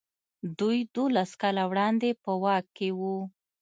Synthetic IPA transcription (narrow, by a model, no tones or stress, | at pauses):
d̪ujd̪olaskɑlawɽɑnd̪epəwɑkːewu